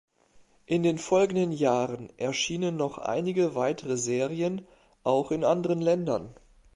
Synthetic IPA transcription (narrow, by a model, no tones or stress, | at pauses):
ʔɪndeːnfɔlɡŋ̩dənjaːʁənʔɛɐʃiːnənːɔχʔa̰ɪnɪɡəvaɪtʰəʁəzeːʁiən | ʔaʊxɪnʔandəʁənlɛndɐn